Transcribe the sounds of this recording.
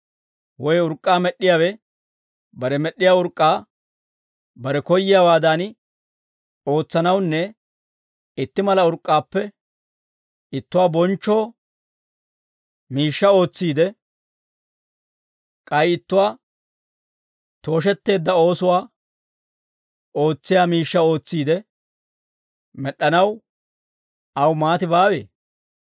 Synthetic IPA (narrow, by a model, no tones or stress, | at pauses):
wɔjʊɾkʼːaːmɛɗːɪjaːwɛ | bɐɾɛmɛɗːɪjaːʊɾkʼːaː | bɐɾɛkɔjːɪjaːwaːd̪an | o̞ːt͡sːɐnɐwnːɛ | ɪt̪ːɪmɐlɐʊɾkʼːaːpːɛ | ɪt̪ːʊwaːbɔnt͡ʃːo̞ː | miːʃːɐo̞ːt͡sːiːd̪ɛ | kʼɐjɪt̪ːʊwaː | t̪o̞ːʃ̬ɛt̪ːe̞ːd̪ːɐo̞ːsʊwaː | o̞ːt͡sːɪjaːmiːʃːɐo̞ːt͡sːiːd̪ɛ | mɛɗːɐnɐw | ɐwmaːt̪ɪbaːwe̞ː